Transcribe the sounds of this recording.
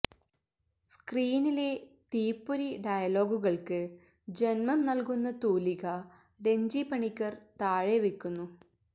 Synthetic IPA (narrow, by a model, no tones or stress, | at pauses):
skriːnilet̪iːpːuɾiɖɐjɐlo̞ːɡuɣɐɭkɨ | d͡ʑenmɐmnɐlkunːɐt̪uːliɣɐ | ɖe̞ɲd͡ʑipɐɳikʲːɐrt̪aːɻeʋikʲːunːu